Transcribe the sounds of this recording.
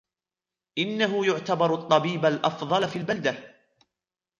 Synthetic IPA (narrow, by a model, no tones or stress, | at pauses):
ʔɪnːaɦʊjʊʕt̪abɑɾt̪ˤːɑbiːbalʔɑfðˤɑlfiːlbald̪a